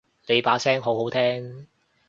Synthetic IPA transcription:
le˨˧jpaː˨˥sɛː˥ŋɦo˨˥wɦo˨˥wt̪ʰɛː˥ŋ

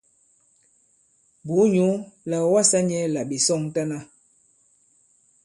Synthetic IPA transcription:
bu˨˦ɲu˨˦la˨wa˦sa˦ɲɛ˦la˨bi˨sɔ˦˨ŋta˦na˦

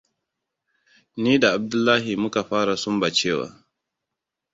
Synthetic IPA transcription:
niː˦da˨ʔa˨b̚dʊ˦lːaː˦ɦi˨mʊ˦ka˨ɸaː˦ɾa˨sʊ˦mba˨t͡ʃeː˦˨wa̰ː˨

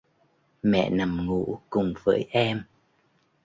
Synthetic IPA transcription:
mɛ̰˧˨na˨˩mŋṵ˧˥kʊ˨˩ŋ͡mvəː˨˦jʔɛ˧m

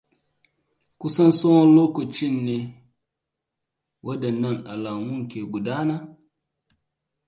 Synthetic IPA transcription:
ku˦sɐ˦nso˦wɔ˦loː˦ko˨t͡ʃi˦˨nːe˨ | wʔɐ˦dɐ˨nːɐ˦˨na˨la˨mu˦ŋkʲe˨ɡu˨daː˦na˦

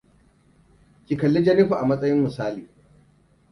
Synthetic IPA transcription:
kʲi˨kɐ˨lːi˦d͡ʒɐ˦ni˦ɸu˨ʔa˨mɐ˦sʼɐ˦jɪ˦mmɪ˨saː˦liː˨

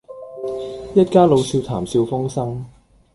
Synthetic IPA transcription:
jɐ˥t̚kaː˥lo˨˧wsiː˧wt̪ʰaː˨˩msi˧wfʊ˥ŋsɐ˥ŋ

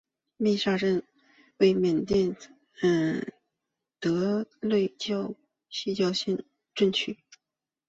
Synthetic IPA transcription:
mi˥˧ʂa˥˧ʈ͡ʂə˥˧n | we˥˩ɪmjɛ˨˩nt̪jɛ˥˩n | ə˥˩ | t̪ɤ˧˥lwe˥˧ɪt͡ɕjɑ˥˧ʊ | ɕi˥˧t͡ɕjɑ˥˧ʊɕɛ˥˧n | ʈ͡ʂə˥˧nt͡ɕʰy˥˩

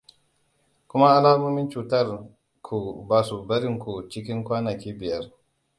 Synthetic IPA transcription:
kʷʊ˦ma˦ʔa˦laː˦moː˦mɪ˦nt͡ʃuː˨tɐ˦˨r | kʰu˨baː˨su˨bɐ˦ɾɪ˦ŋkʷu˨t͡ʃɪ˦kʲɪ˦ŋkʷaː˦nɐ˨kʲiː˦bɪ˨jɐ˦r

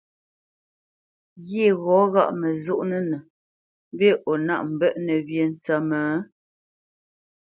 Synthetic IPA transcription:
ɣe˦˨ɣɔ˨˦ɣa̰˦ʔmə˨zu˦˨ʔnə˦nə˨ | m˦be˦˨ʔo˨na̰˦˨ʔm̩˨bə˦ʔnə˨βje˨n˨t͡sa˨məː˨˦

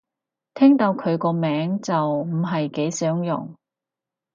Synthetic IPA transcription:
t̪ʰɛː˥ŋt̪ɐ˧wkʰɵ˨˧ɥkɔː˧mɛː˨˥ŋt͡sɐ˨wm̩˨˩ɦɐ˨jke˨˥jsœː˨˥ŋjʊ̰˨˩ŋ

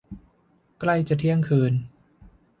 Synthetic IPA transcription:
kla˧jt͡ɕa˨˩t̪ʰi˦˥˩əŋkʰɯː˧n

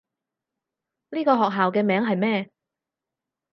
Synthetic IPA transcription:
liː˥kɔː˧ɦɔː˨k̚ɦaː˨wkɛː˧mɛː˨˥ŋɦɐ˨jmɛː˥˧

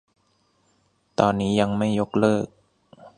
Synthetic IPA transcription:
t̪ɔː˧nːiː˦˥ja˧ŋma˥˩jo˦˥k̚lɤː˥˩k̚

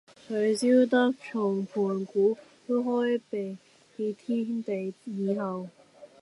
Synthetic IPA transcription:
kʰɵ˨˧ɥsiː˥wt̪̬ɐ˥k̚t͡ʃʰʊ˨˩ŋpʰuː˨˩nkuː˨˥t̪o˥ɦɔː˥jpe˨j | hi˧t̪ʰiː˥nt̪e˨jjiː˨˧ɦɐ˨w

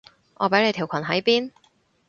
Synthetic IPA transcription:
ʔɔː˨˧pɐ˨˥jle˨˧jt̪ʰi˨˩wkʷʰɐ˨˩nɦɐ˨˥jpiː˥n

